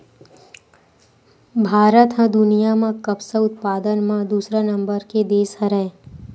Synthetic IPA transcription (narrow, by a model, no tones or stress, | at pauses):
bʱaːɾət̪ɦə̃d̪ʊnijamãkəpsəʊt̪paːd̪ənmãd̪uːsɾanə̃mbəɾked̪eːsɦə̃ɾɛẽ